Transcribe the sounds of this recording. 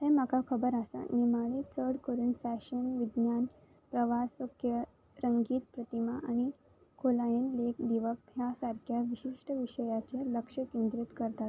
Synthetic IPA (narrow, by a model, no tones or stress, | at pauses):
t̪emakakʰəbəɾasa̰nimaɭiːt͡səɽkəɾuːnfæɕənʋid̪njan | pɾəʋasokʰjə | ɾəŋɡiːt̪̚pɾət̪imaʔañi | kʰolajənlekd̪iʋək̚jasaɾkʰjaʋiɕiʂʈəʋiɕəjat͡ɕeləkʂəkend̪ɾit̪kəɾt̪at̪